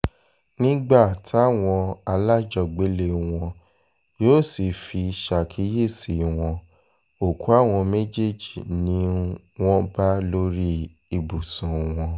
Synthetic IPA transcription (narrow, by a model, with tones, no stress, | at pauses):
nĩ˦ɡ͡ba˦˨tʰi˨˦a˦˨w̃ɔ̃˧a˧la˦d͡ʒɔ˧˨ɡ͡be˨˦le˦˨w̃ɔ̃˧ | joː˦˨si˨fi˧ʃa˨kʰi˨˦je˦˨si˨w̃ɔ̃˧ | o˨kʰu˨˦a˦˨w̃ɔ̃˧me˦d͡ʒe˦˨d͡ʒi˨nĩ˦ | w̃ɔ̃˦ba˦lo˦ɾi˦ | i˧bu˨sũ˨w̃ɔ̃˧